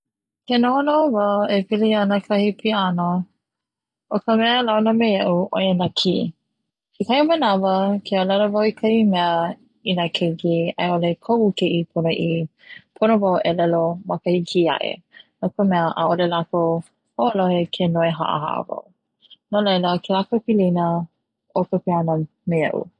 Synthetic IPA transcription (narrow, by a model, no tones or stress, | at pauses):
kenoonovaepilianəkʰɐhipʰiano | ʔokəmɛəlawnəmejɐʔuʔojenɐkʰi | ikʰɐjmənɐvəkʰealɐləvawikʰɐimɛə | inakʰekiɐ̰jolekʰoʔukiʔipʰonoʔipʰonovawʔelɛlomɐkəhikʰiɐ̰ʔḛnokəmɛəʔa̰ʔolelako | hoʔolohekʰenoeɦa̰ʔə̰ha̰ʔva̰w | nolejləkʰelakopilinə | ʔokəpeanə | meɐ̰ʔṵ